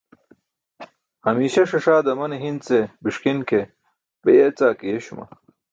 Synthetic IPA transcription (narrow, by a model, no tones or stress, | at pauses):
hɐmiːɕɐʂɐʂaːd̪ɐmɐneɦint͡sebiʂkinke | bejet͡saːkijeɕumɐ̰